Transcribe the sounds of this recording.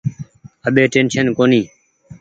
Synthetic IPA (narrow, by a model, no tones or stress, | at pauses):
əɓeːʈeːnʃənkoːniː